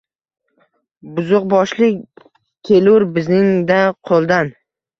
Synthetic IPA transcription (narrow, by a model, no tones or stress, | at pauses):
bʊzʊq̚bɒʃlɪ | kʲʰelʊɾbɪznɪŋd̪aqʰolˠd̪an